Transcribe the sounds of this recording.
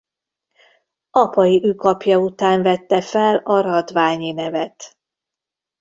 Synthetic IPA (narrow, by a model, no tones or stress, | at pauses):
ɒpɒjiʔyːkɒpjɒut̪aːɱvɛt̪ːɛfɛlɒɾɒd̪vaːɲinɛvɛt̪